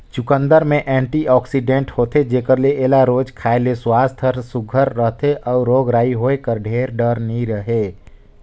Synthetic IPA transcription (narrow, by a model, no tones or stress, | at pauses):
t͡ʃʊkə̃nd̪əɾmẽʔɛ̃ːɳʈiɔːksiɖẽɳʈhoːt̪ed͡ʒeːkəɾleʔeːlaɾoːd͡ʒkʰaːeleswaːst̪ʰəɾsʊɡʱəɾːəɦt̪ʰeʔɔːɾːoːɡɾaːiɦoːekəɾɖʱeːɾɖəɾnĩɾəɦeː